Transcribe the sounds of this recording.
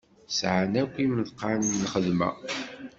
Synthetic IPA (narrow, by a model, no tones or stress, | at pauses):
sʕanækʷːimðqːanlχəðmæ̰